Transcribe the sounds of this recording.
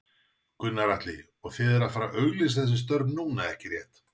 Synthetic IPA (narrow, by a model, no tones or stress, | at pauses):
kʏnːaɾajht̪lɪ̰ | ɔɣθɪðɛɾaðfaːɾaʔœːɥɣlɪsθɛs̬ɪs̬t̪œɾpnnuːnaɛhcɪrjɛht̪